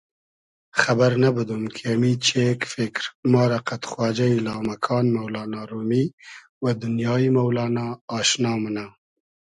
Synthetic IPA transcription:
xabaɾnabəd̪umkʰeamit͡ʃekfɪkɾmɑːɾaqat̪xwɑːd͡ʒailɑːmakʰɑːnmawlɑːnɑɾumi | wad̪ʊnjɑimawlɑːnɑːʃnɑːmana

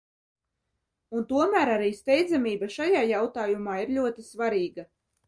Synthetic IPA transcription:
unt̪uɔmæːɾaɾiːst̪ɛjd̪zamiːbaʃajaːjawt̪aːjumaːiɾʎʲuɔt̪isvaɾiːɡa

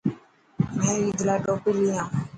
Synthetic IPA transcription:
mɛ̃ːiːd͡ʒlaːʈoːpiːliːãː

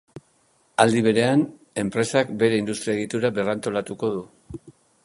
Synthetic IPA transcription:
ald̪iβ̞e̞ɾe̞an | e̞mpɾe̞sakbe̞ɾe̞ind̪ust̪ɾiaeɣit̪uɾabe̞rant̪o̞lat̪uko̞ðu

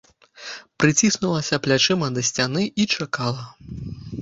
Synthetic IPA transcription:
pɾɨt͡sʲisnulˠɐsʲɐplʲat͡ʂɨmɐd̪ɐsʲt͡sʲanɨit͡ʂakalˠɐ

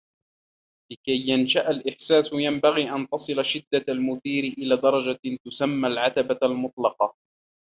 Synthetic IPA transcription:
lɪkajːanʃaʔalʔɪħsaːsʊjambaɣiːʔant̪ɑsˤɨlaʃɪd̪ːaalmʊðiːɾɪʔɪlaːd̪ɑɾˤɑd͡ʒat̪ʊsamːalʕat̪abalmʊt̪̚ˤlɑqɑ

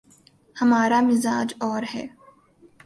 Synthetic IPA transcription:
hɐmaːɾamɪzaːd͡ʒɔːɾhɛ̰ː

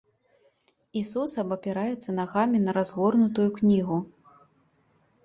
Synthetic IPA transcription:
isusɐbɐpʲɛɾajɛt̪sːɐnaɣamʲinɐɾazɣɔrnut̪ujuknʲiɣu

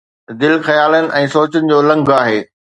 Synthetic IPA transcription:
d̪ɪlxɐjaːlənɪ̆ʔɛ̃ːsoːt͡ɕənɪ̆d͡ʑoːlɐ̃ŋɡʱaːɦeː

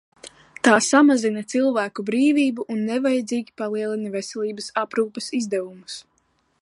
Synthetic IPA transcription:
t̪aːsamazinɐt̪silˠvæːkubɾiːviːbuʔunːɛvajɛd̪ziːɡʲipalˠiɛlˠinavɛsɛliːbɐsapɾuːpɐsizd̪ɛvumus

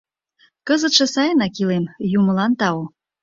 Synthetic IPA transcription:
kəzət̪ʃesɑjnɑkilemjuməlɑnt̪ɑo

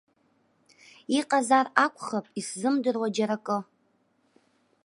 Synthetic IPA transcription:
iqʼazarakʷʰʼχapʼiszɨmdɨrwad͡ʒaɾakʼɨ

